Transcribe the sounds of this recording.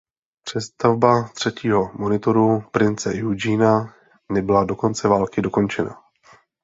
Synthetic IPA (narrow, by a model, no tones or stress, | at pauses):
pr̝̥ɛst̪avbat̪r̝̥ɛciːɦo̞mo̞nɪt̪o̞ɾupɾɪnt͡sɛjud͡ʒiːna | nɛbɪlado̞ko̞nt͡sɛvaːlkɪdo̞ko̞nt͡ʃɛna̰